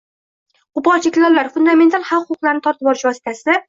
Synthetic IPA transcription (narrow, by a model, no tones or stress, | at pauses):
qʊpɒt͡ʃʰekʲlɒllːaɾfʊnd̪ame̞nt̪ʰalˠhɑwqʰːqʊqlˠaɾnɪt̪ʰɒɾt̪ʰɪpɒɾɪʃvɒsɪ̥t̪ʰasɪ